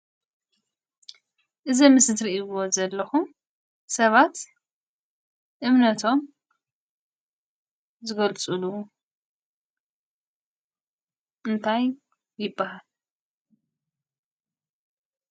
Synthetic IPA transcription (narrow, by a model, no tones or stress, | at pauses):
ʔɨzɐmɨsɨt̪ɾiʔiβozɐlːɐxum | sɐβat̪ | ʔɨmnɐt̪ʰo̞m | zɨɡɐlt͡sʼulu | ʔɨnt̪ʰaj | jɪbːaɦal